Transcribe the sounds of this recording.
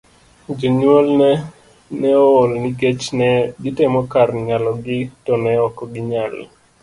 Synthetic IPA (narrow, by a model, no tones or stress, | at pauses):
d͡ʒoɲwɔlnɛ | nɛoolniɡet͡ʃnɛɡɪtemɔkarɲalɔɡɪtɔnɛɔkɔɡɪɲal